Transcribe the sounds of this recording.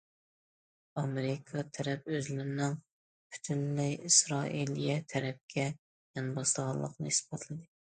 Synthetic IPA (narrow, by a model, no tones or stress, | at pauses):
ɑmeɾɪkʰɑt̪ʰɛɾɛp̚øzlɪɾnɪŋ | pʰy̥t̪ʰynlɪjisɾɑʔilijɛt̪ʰɛɾɛp̚kʲʰɛ | jɑnbɑslˠəʁɑlˠə̰qnɨ̰hisbɑt̪ʰlˠɨd̪ɨ